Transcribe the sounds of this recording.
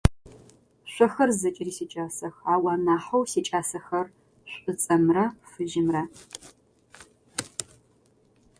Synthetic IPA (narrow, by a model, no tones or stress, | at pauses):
ɕʷɔxɐrzɐt͡ʃʼɪriːsiːt͡ʃʼaːsɐxaːwɑːnaːħɐwsiːt͡ʃʼaːsɐxɐr | ɕʷʼɨt͡sʼɐmrɐfɨʒɪmrɐ